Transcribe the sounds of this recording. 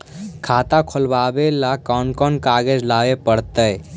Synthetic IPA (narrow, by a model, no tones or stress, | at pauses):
kʰat̪ãkʰolbabelakɔnkɔnkaɡed͡ʒlaʋepəɽt̪əj